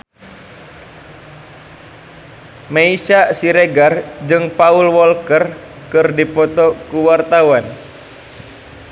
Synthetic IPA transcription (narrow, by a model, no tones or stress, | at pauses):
meiʃasiɾeɡard͡ʒɨŋpaulwɔlkər | kɨrdipɔt̪ɔkuwart̪awan